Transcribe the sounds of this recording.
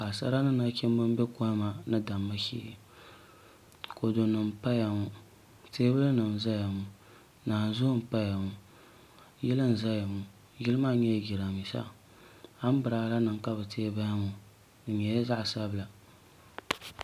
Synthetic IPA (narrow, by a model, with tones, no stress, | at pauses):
ka˨sa̰˦ɾa˦nɨ˦na˦kʲɛ˦m˦bɨ˦m˦bɛ˦ko˦ma˨nɨ˦da˨mːa˦ʃḭ˦˨ | ko˨do˨nɨ˨m˨pa˦ja˨ŋu˦ | teː˦bɨ˦lɨ˦nɨ˨m˨za˦ja˨ŋu˨ | naː˨zʊ˦m̩˨pa˦ja˨ŋu˨ | jɛ˦lɨ˦n̩˨za˦ja˨mu˨ | ɡi˦lɨ˦ma˦˨ɲɛ˦jɡʲi˨ɾa˨mi˨sa̰˦ | ha˦m˦bɨ˨ɾaː˨˦la˦nɨ˨ŋ˨ka˦bɨ˨tʰeː˦ba˦ja˦ŋu˨ | nɨ˨ɲɛ˨ja˦za˦ʔsa˦bɨ˨la˨